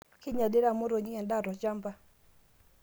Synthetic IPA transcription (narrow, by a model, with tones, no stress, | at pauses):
kɪ˦ɲa˨dɪ˦ɾa˦˨mo˦ɾo˨ɲi˦ŋɛ˨nda˦˨ɾɔ˨t͡ʃa˦mba˦